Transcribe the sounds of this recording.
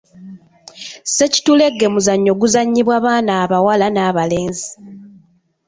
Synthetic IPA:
se̞ci̥tule̞ɡːe̞muzaɲːo̞ɡuzaɲːiβwaβaːnaːβawalanaːβale̞ːnzi

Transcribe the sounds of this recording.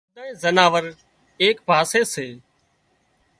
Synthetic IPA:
d̪aːĩːzənaːʋəɾ | eːkbʱaːseːseː

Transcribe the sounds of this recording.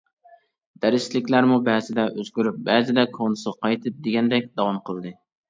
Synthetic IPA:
d̪̥æɾɪʃlɪkʲlæɾmubɛzɪd̪ɛʔøzɡʲyɾyp̚bɛzɪd̪ɛkʰonɨsɨʁqʰɑjt̪ʰɨp̚d̪eɡʲɛnd̪ɛk̚ʲd̪ɑwɑmqʰəlˠd̪ɨ

